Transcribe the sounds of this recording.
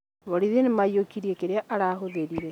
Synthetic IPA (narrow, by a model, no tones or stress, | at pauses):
βoɾiðenemaiokiɾiekeɾeaʔaɾahoðeɾiɾɛ